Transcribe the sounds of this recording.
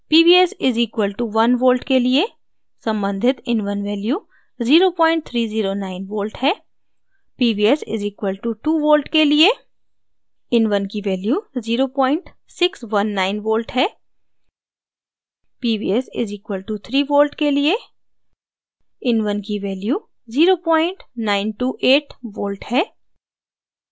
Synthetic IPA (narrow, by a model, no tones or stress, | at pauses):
piːbiːɛsɪziːkʋəlʈuʋɐnʋoːlʈkelie | sɐ̃mbə̃nd̪ʱɪt̪ɪnʋənʋɛːljuː | ziːɾopɔːɪ̃ɳʈ̚t̪ʰɾiːziːɾonaːɪnʋoːlʈɦɛː | piːbiːɛsɪ̰ziːkʋəlʈuʈuːʋoːlʈkelie | ɪnʋənkiʋɛːljuziːɾopɔːɪ̃ɳʈ | sɪksʋɐnːaːɪnʋoːlʈɦɛː | piːbḭːɛsɪ̰ziːkwəlʈut̪ʰɾiːʋoːlʈkelie | ɪnʋənkiʋɛːljuː | ziːɾopɔ̃ːɪ̃ɳʈnaːɪnʈuːʔeːʈʋoːlʈhɛː